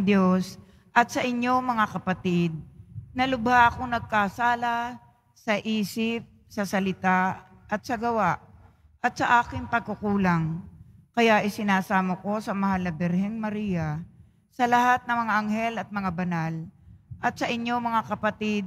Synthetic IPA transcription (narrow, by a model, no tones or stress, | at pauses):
d̪jos | ʔɐt̪̚sɐʔɪɲːo̞mɐŋakɐpɐt̪ɪd̪̚nɐlʊbhaʔɐkoŋnɐɡ̚kasaːlɐ | sɐʔiːsɪp̚sɐsɐlɪt̪a | ʔɐt̪̚sɐɡɐwaʔ | ʔɐt̪̚sɐʔaːkɪŋpɐɡ̚kʊkuːlɐŋkɐjaʔɪsɪnaːsaːmɐko̞sɐmɐhalnɐbɛɾhɛŋmɐɾiːjɐ | sɐlɐhat̪̚nɐŋmɐŋaʔɐŋhɛlɐt̪̚mɐŋabɐnalʔɐt̪̚sɐʔɪɲːo̞mɐŋakɐpɐt̪ɪd̪̚